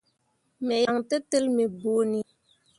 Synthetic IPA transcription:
mɛ˨ja˨ŋtə˦tɨ˦lmi˨bu˦ni˦

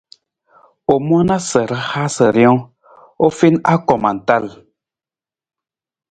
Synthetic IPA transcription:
o˨mwa˦na˦sə˨ɾə˦ha˦sə˨ɾjɔ̃˦ | o˦fi˦na˦kɔ˨ma˨n̩˨ta˦˨l

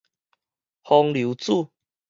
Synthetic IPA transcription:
hɔ˧ŋlju˨˦t͡su˥˨

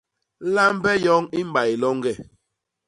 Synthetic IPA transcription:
la˦mbɛ˦jɔ˦ŋi˦m˦ba˨i˨lɔ˦ŋɡɛ˦˨

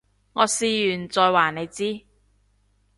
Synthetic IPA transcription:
ŋɔː˨˧siː˨˧jyː˨˩nt͡sɔː˨˧jwaː˨˩ne˨˧jt͡siː˥

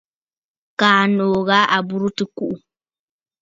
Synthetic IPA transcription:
kaː˨noː˨ɣa˦ʔa˨bu˦ɾu˦tɨ˦ku˦ʔu˨

